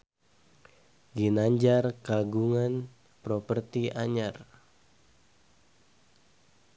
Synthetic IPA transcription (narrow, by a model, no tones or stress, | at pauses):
ɡinaɲd͡ʒarkaɡuŋan | pɾɔpərt̪iʔaɲar